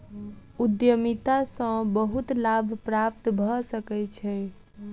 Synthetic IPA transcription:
ud̪jəmit̪asə̃bəɦut̪labʱpɾap̚t̪bʱəsəkɛt͡ʃʰɛ

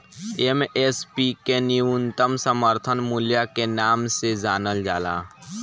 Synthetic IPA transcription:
emeːspikeniʊnt̪əmsəməɾt̪ʰənmulijakenaːmsezaːnəld͡ʒaːla̰ː

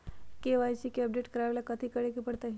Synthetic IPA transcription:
keʋajt͡ɕikeəb̚ɖeʈkəɾaʋelakət̪ʰiːkəɽekipəɽt̪a

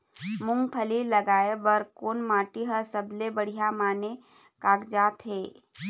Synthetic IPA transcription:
mʊ̃ŋɡ̚pʰəlilɐɡaːebəɾkoːnmaːʈiɦəɾsəblebəɽ̤ijamaːne | kaːkd͡ʒaːt̪ɦeː

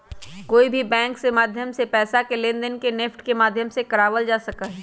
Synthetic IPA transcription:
koːibʱibɛ̃ːŋksemaːd̪ʱjəmsepɛːsakelẽːnd̪ənkenɪfʈkemaːd̪ʱjəmsekɐɾaːʋəld͡ʒaːsɐkaɦɛː

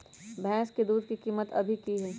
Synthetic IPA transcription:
bʱɛ̃ːsked̪uːd̪̚kikiːmət̪ɐ̰bʱikiɦɛː

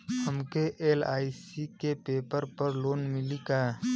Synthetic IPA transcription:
həmkeʔeːlaːisikepeːpəɾpəɾloːnmɪlika

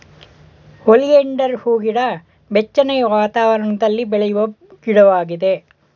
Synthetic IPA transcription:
olijeɳɖɐɾhuːɡiɽɐ | bet͡ʃːɐnɐjɐʋaːt̪aːʋɐɾɐɳɐd̪ɐlːibɛɭɐjuʋɐ | ɡiɽɐʋaːɡid̪e

